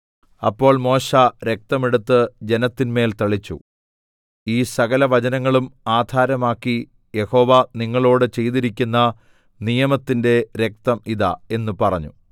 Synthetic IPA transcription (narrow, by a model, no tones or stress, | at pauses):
ɐ̰pːo̞ːɭmo̞ːɕɐɾe̞k̚t̪ɐmeɽut̪ːɨd͡ʑe̞nɐt̪ːinme̞ːlt̪ɐɭit͡ɕːṵ | iːsɐɣɐlɐʋɐt͡ɕɐnɐŋːɐɭumaːd̪ʱaːɾɐmaːkːi | je̞ho̞ːʋɐniŋːɐɭo̞ːɽɨt͡ɕe̞jt̪iɾikʲːunːɐ | nijɐmɐt̪ːinde̞ɾe̞k̚t̪ɐmiðɐ̰e̞nːupɐrɐɲːu